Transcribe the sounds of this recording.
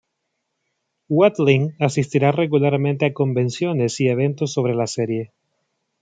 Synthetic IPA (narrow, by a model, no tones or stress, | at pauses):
wat̪liŋasist̪iɾare̞ɣulaɾmẽnt̪eako̞mbẽ̞nsjo̞ne̞sieβ̞ẽ̞nt̪o̞sːo̞β̞ɾe̞laseɾje̞